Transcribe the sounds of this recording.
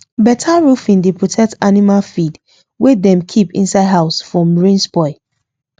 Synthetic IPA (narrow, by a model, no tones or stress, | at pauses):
bɛtʰaɹufĩndepʰɹɔtʰɛk̚tanimalfid | wedɛ̃mkʰipḭ̃nsaɪdɦaʊsfɹɔ̃mɹĩnsbɔɪ